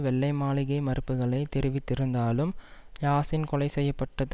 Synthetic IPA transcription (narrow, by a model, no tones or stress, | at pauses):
ʋɛɭːɐɪmaːlɪɣɐɪmɐɾɯpːɯɣɐɭɐɪt̪ɛɾɪʋɪt̪ːɪɾɯnd̪aːlɯmjaːsɪnkɔlɐɪsɛjːɐpːɐʈːɐð